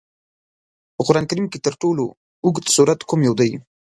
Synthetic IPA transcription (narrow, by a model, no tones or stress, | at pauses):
pəqʊɾɑnkaɾimket̪əɾʈolo | ʊɡt̪suɾat̪kumjawd̪aj